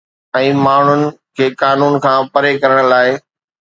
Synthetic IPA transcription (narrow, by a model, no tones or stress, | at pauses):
ɛ̃ːmaːɳ̤ʊnɪ̆kʰeːkaːnuːnkʰãːpɐɾekɐɾəɽ̃laːɪ